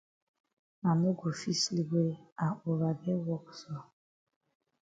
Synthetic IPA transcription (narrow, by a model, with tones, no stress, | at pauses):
ma˨ne˦ɡo˨fi˦sli˨ɡʷe˦a˨o˨ɾa˨be˦wɔ˦ksɔ˦